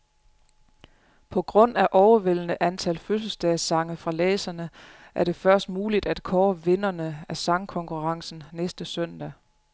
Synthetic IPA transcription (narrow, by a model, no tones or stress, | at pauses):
pʰɒ̽ɡ̥ʁɔ̽n̰æʔɒʊɐʋel̰nəʔænt͡sʰælføs̬l̩sd̥ɛðsɑ̈ŋəfʁɑ̈lɛːsɐnə | ʔæɐɾ̥e̝fɶɐsd̥muːlid̥æd̥kʰɒːʋe̝nɐnəæɐsɑ̈ŋkʰɒ̽ŋkʰuʁɑ̈ŋsn̩nesd̥əsœn̰d̥æ